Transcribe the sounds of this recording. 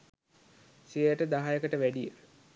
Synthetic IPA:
siəjəʈəd̪aɦajəkəʈəʋæɖijə

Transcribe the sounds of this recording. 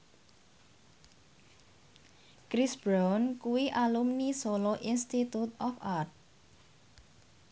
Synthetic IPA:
kɾisb̥ɾawnkuwiʔalumnisoloʔinst̪it̪ut̪ɔfart̪̚

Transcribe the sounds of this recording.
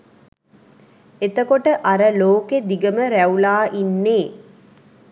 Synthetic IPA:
et̪əkoʈəʔaɾəloːked̪iɡəməɾæulaːʔinːeː

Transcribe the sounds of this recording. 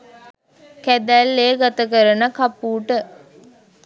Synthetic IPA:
kæd̪ælːeːɡat̪əkəɾənəkapuːʈə

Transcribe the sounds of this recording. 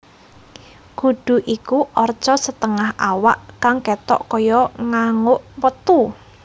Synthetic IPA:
ɡ̥ṳɖ̥ṳʔikuʔɔr̥t͡ʃɔsət̪əŋaɦawaʔkaŋkɛt̪ɔ̰ʔkɔjɔŋaŋʊʔwət̪u

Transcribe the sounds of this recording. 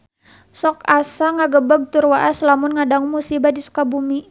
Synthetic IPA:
sɔkasaŋaɡəbəɡ̚t̪urwaʔaslamʊnŋadaŋmusibadisu̥kabumi

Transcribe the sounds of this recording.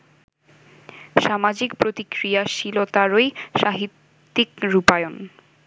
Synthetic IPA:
ʃamad͡ʑikpɾot̪ikɾiaʃilot̪aɾojʃaɦit̪ː | ikɾupajon

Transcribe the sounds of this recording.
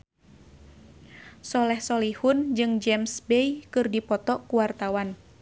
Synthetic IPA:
sɔlɛhsɔlihund͡ʒɨŋd͡ʒɛmsbɛjkɨrdipɔt̪ɔkuwart̪awan

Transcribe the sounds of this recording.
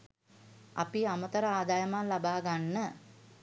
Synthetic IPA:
a̰piamət̪əɾəaːd̪ajəmanlabaːɡanːə

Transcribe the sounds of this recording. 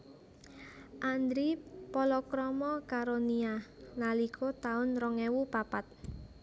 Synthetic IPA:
ʔand̪ɾipɔlɔkɾɔmɔkaɾonialalikʰot̪aʊnrɔŋɛwupapat̪̚

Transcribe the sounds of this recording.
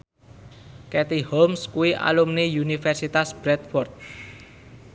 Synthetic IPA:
kɛt̪ihomskuiʔa̰lumnejunifɛrsit̪asbɾɛt̪̚fɔrt̪̚

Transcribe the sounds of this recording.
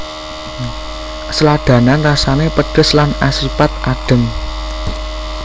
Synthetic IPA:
səlad̪̥ä̤nanrasanepəɖ̥ə̤slanasipat̪̚ʔaɖ̥ə̤ŋ

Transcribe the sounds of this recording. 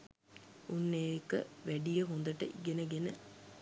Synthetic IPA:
unːeekə̰ʋæɖijəɦond̪əʈəʔiɡenəɡenə

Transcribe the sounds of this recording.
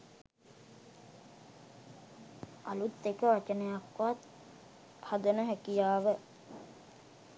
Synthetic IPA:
alut̪ːekəʋat͡ʃənəjakʋat̪̚ | had̪ənəɦækijaːʋə

